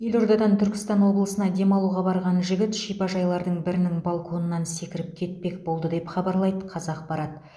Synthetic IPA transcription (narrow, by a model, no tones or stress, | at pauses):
je̞lʲo̞ɾd̪ɑd̪ɑnt̪ʰʏɾkʲɪst̪ɑnwo̞blˠəsənɑd̪e̞mɑlˠuʁɑbɑɾʁɑnʒɪɡʲɪt̪ʃijpɑʒɑjlˠɑɾd̪əɴbɪɾɪnɪŋbɑlˠkʰo̞nənːɑnse̞kʲɪɾɪp̚kʲʰe̞t̪̚pe̞kbo̞lˠd̪əd̪e̞pχɑbɑɾlˠɑjd̪əqʰɑzɑq̚bɑɾɑt̪